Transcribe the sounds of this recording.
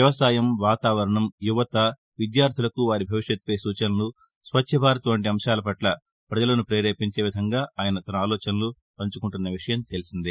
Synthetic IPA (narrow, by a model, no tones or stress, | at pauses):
jɐʋɐsaːjɐmʋaːt̪aːʋɐɾɐɳɐmjuʋɐt̪ɐ | ʋid̪jaːɾt̪ʰilɐkuʋaːɾibʱɐʋiʂjɐt̪ːu̥pɐjsuːt͡ʃɐnɐnu | sʋɐtːʃʰɐbʱaːɾɐt̪uʋɐɳʈiɐmʃaːlɐpɐʈlɐ | pɾɐd͡ʒɐlɐnupɾeːɾeːpiɲt͡ʃe̞ːʋid̪ʱɐŋɡaːaːjɐnɐt̪ɐnɐaːlɔːt͡ʃɐnlu | pɐɲt͡ʃukuɳʈunːɐʋiʂɐjɐmt̪e̞lisind̪i